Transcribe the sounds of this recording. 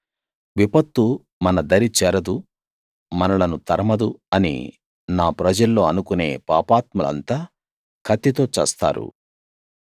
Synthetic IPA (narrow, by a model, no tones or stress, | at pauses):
ʋipɐt̪ːu | mɐnɐd̪ɐɾit͡ʃɛːɾɐd̪u | mɐnɐlɐnut̪ɐɾɐmɐd̪uɐnḭ | naːpɾɐd͡ʒɐlːo̞ːɐnukune̞̰ːpaːpaːt̪mɐlɐ̰nt̪aː | kʰɐt̪ːit̪o̞ːt͡ʃɛ̰ːst̪a̰ːɾṵ